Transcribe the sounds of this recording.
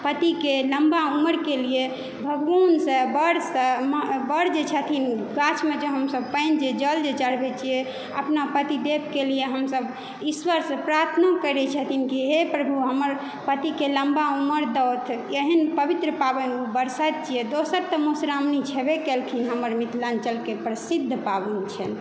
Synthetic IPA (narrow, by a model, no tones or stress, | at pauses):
pət̪ikeləmbauməɾkelie | bʱəɡʋansəbəɾsəmbəɾd͡ʒet͡ʃʰət̪ʰinɡat͡ʃʰmed͡ʒeɦəmsəb̚pəɪnd͡ʒed͡ʒəld͡ʒet͡ʃəɽbet͡ʃʰije | ə̰pnapət̪id̪eb̚kelijeɦəmsəb | iswəɾsepɾaɾt̪ʰnakəɾɛt͡ʃʰət̪ʰinkiɦepɾəbʱuɦəməɾ | pət̪ikeləmbauməɾd̪əwt̪ʰjeɦinpəbit̪ɾəpabənubəɾsat̪̚t͡ʃʰijed̪osəɾt̪əmusɾamnit͡ʃʰɛbekelkʰinɦəməɾmit̪ʰlant͡ʃəlkepɾəsid̪ʱːpabunt͡ʃʰɛn